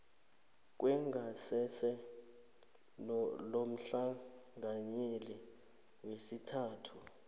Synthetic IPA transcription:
k̬ʼwɛŋɡʱasɛsɛ | lom̩ɬaŋɡʱaɲeli | wesitʰaːtʰu

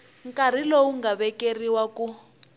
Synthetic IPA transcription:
ŋkʼaɾ̤ilowuŋɡaβɛkeriwaku

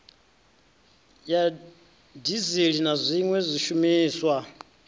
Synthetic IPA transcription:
ja | diziɺinazʷiŋwɛzʷiʃumiːswa

